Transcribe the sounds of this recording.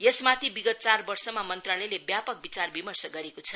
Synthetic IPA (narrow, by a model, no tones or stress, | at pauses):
jesmat̪ʰibiɡʌt̪̚t͡sarbʌrsʌmamʌnt̪ralelebjapʌk̚bit͡sarbimʌrsʌɡʌɾekot͡sʰʌ